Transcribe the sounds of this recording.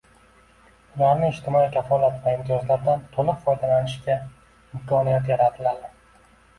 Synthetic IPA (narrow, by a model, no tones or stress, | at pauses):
ʊlaɾnɪːd͡ʒt̪ʰɪmɒikʲʰafɒlat̪vaɪmt̪ʰjɒzlaɾd̪ant̪ʰolˠɪqfɒjd̪alanɪʃkʲa | ɪmkʰɒnijat̪jaɾat̪ʰɪlad̪ɪ